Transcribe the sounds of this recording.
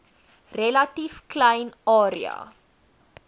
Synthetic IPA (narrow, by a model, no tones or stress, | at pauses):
relɐtifklɛjnɑːɾḭɐ̰